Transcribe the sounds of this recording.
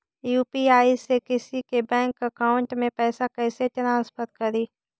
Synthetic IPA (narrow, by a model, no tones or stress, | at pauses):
juːpiaːisekɪsikebɛ̃ːŋkəkaːʊɳʈmẽpɛːsakɛːset͡ʃɐnaːspət̪kɐɾiː